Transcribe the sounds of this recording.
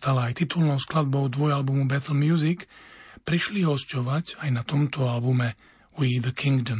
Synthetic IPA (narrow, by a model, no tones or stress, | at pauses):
t̪alaːjt̪it̪ulnɔʊsklad̪̚bɔʊd̪ʋɔjalbumubɛt̪l̩mjuzikpɾiʃliɦɔscɔʋacajnat̪ɔmt̪ɔalbumɛ | uid̪əkʰiŋɡd̪ɔm